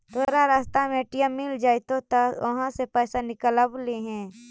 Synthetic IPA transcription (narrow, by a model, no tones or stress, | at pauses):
t̪oːɾaɾaːst̪amẽʈijəmːɪld͡ʒaːɪt̪ot̪əʋɐɦãsepɛːsanɪkələbleɦɛ̃ː